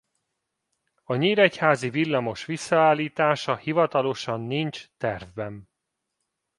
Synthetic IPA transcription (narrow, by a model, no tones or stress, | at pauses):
ɒɲiːɾɛchaːzivilːɒmo̞ʃʋisːɒaːlːiːt̪aːʃɒhivɒt̪ɒlo̞ʃɒnːint͡ʃt̪ɛrvbɛn